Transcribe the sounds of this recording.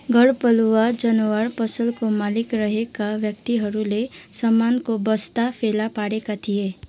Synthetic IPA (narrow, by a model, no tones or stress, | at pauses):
ɡʱəɽpəluad͡ʒənəwəɾpəsəlkomaːlɪkɾəɦekaʋjəkt̪iɦəɾulesəmːaːnkobəst̪apʰeːlapaːɽekat̪ʰieː